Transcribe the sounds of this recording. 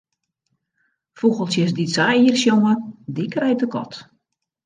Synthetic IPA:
fuɣəlˠsjəs̬disajiərsjoŋədikrɛjtəkɔ̰t

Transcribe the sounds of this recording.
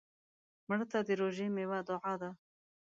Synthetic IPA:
məɽt̪ad̪iɾoʒemewad̪ʊʕad̪a

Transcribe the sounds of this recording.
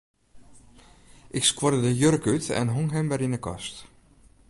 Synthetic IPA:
ʔɪkskwɔɾədəjøɾəkytɛ̰nɦoŋɦɛmʋɛɾinəkɔ̰st

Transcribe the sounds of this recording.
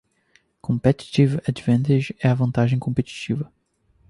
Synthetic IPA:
kõmpeti̥tivad̪vɐ̃nt̪ed͡ʒɛɐvɐ̃nt̪aʒẽj̃kõpet͡ʃi̥t͡ʃivɐ

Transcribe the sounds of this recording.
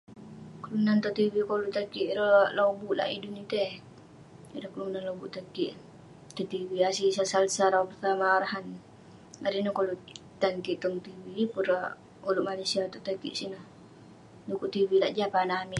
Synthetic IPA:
kəlunant̪ɔt̪iwikolut̪akiʔɾəlobuʔla̰ʔḭdunit̪ɛh | aɾakəlunanlobuʔt̪akiʔ | t̪ɔt̪iwiasisasalsaɾapərt̪amaɾaɦan | aɾinukolu | t̪aŋkiʔt̪ɔŋt̪iwipuɾa | uluʔmalesiat̪ɔt̪akḭʔsinah | dukuʔt̪iwilaʔd͡ʒapanamiʔ

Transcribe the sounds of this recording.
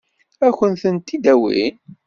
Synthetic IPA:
æçənθənt̪id̪æwḭ

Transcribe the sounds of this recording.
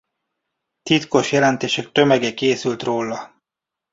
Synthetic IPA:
t̪it̪ko̞ʃjɛlɛnt̪eːʃɛk̚t̪ø̞mɛɡɛkeːsylt̪roːlːɒ

